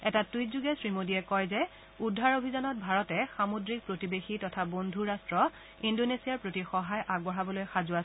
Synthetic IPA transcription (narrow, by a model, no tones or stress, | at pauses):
ɛtatujtzuɡɛsɹimodiɛkɔjzɛ | udʱːaɹobʱizanɔt̚bʱaɹɔtɛxamodɹik̚pɹotibexitɔtʰabondʱuɹastɹɔ | indonesiaɹpɹotixɔɦajʔaɡbɔɹabɔlojxazʊa